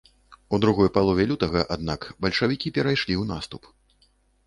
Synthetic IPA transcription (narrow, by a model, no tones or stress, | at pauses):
ud̪ɾuɣɔjpalˠɔvʲɛlʲut̪ɐɣɐʔad̪nakbɐlʲʂɐvʲikʲipʲɛɾajʂlʲiwnast̪up